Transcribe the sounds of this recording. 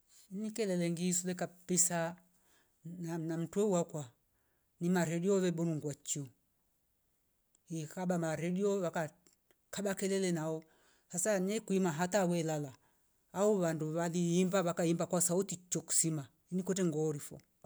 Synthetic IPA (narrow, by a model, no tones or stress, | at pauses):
nikɛlɛlɛŋɡisulɛkapisa | nanam̩twɛuwakwa | nimaɾɛdiɔβɛbɔɾuŋɡwat͡ʃu | ikabamaɾɛdiɔβaka | kabakɛlɛlɛnaɔ | hasanɛkuimaɦatawɛlalaː | ɔβanduβaliːmbaβakaimbakwasautit͡ʃɔku̥sima | inikwɛtɛŋɡɔɾifɔ̰